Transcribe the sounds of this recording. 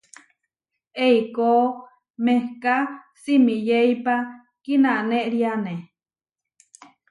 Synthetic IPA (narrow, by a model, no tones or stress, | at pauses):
eikoː | mehka | simijeipa | kinaneʔɾiane